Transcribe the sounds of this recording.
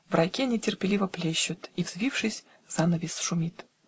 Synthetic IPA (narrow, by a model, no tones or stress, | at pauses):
vrʔɐjkʲenʲɪtʲɪrpʲɪlʲivəplʲeɕːʊt̪ivzvʲifʂɨsʲ | z̥anəvʲɪsʂʊmʲit̪